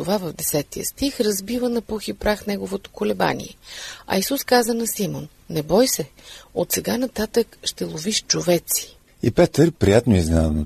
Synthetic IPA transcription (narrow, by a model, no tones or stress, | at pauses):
t̪ovavəvd̪ɛsɛt̪ijə̰st̪ixɾɐzbivənɐpuxipɾaxnɛɡovot̪o̥kolɛba̰nḭɛ̰ɐ̰isuskazənɐsimonːɛbɔjsɛ | ot̪sɛɡanɐt̪at̪əkʃt̪ɛlˠoviʃt͡ʃovɛt̪si̥ | ipɛt̪əɾpɾijat̪noizna̰no